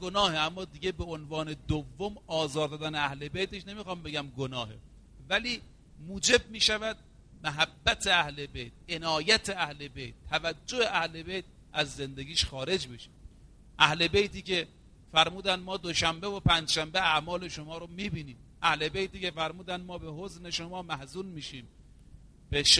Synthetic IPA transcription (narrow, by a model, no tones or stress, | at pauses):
ɡonɒːheæmːɒːd̪iɡebeonvɒːne̞d̪ovːomɒːzɒːɾd̪ɒːd̪æneæhle̞bejt̪eʃne̞mixɒmbeɡʲæmɡonɒːhḛ | væliː | muːd͡ʒe̞b̚miːʃævæd̪̚ | mæɦæbːæt̪ʰe̞æhlebejt̪̚ʔenɒːjæt̪ʰeæhle̞bḛjt̪ʰːævæd͡ʒːoheʔæhle̞bejt̪̚ | ʔæzːe̞nd̪eɡʲiːʃxɒːɾe̞d͡ʒbe̞ʃi̥ | ʔæhle̞bejt̪iːce̞ | fæɾmuːd̪ænmɒːd̪oʃæmbevopʰænd͡ʒʃæmbeæʔmɒːle̞ʃomɒːɾomiːbiːniːm | ʔæhle̞bejt̪iːce̞fæɾmuːd̪ænmɒːbehozne̞ʃomɒːmæhzuːlmiːʃiːm | b̥eʃ